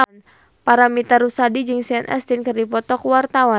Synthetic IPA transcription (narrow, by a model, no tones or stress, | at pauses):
n | paɾamit̪arusadid͡ʒɨŋsianʔɛ̰st̪ɪnkɨrdipɔt̪ɔkwart̪awa